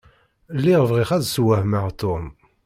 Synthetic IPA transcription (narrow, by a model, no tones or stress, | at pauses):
lːiʁvʁiχæðswæhməʁt̪ːom